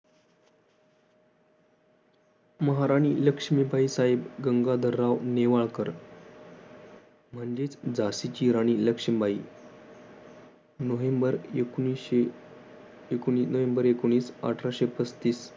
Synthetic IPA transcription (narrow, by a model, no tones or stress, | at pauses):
məɦaɾaɽ̃iːləkʂmibʱaisaɦebɡəŋɡad̪ʱəɾːaʋneʋaɭkəɾ | m̤əɳd͡ʑet͡sd͡zasit͡ɕiɾaɽ̃iːləkʂəmbʱaḭ | nəʋembəɾekie | ekoɳ̃iːnəʋembəɾekoɳ̃iːsa̰ʈʰɾaɕepət͡st̪iːs